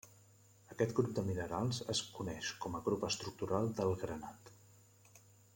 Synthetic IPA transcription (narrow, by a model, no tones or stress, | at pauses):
əkɛt̪ɡɾub̚d̪əminəɾalˠzə̰skunɛʃkɔməɣɾupəst̪ɾuk̚t̪uɾalˠd̪əlˠɣɾənat̪